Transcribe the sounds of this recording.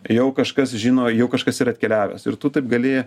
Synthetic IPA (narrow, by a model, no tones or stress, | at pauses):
jɛʊkɐʃkɐsʒʲiːnoːjɛʊkɐʃkɐsiːɾɐt̪ʲkʲɛlʲæːʋʲɛ̰sɪɾt̪ʊt̪ɐɪp̚ɡɐlʲeːjɛ